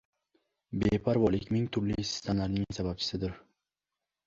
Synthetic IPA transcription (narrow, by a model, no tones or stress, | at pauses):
bepʰaɾvɒlˠɪkʲmɪŋt̪ʰʊɾlɪsɪ̥st̪ʰamlaɾnɪŋsabap̚t͡ʃʰɪ̥sɪd̪ɪɾ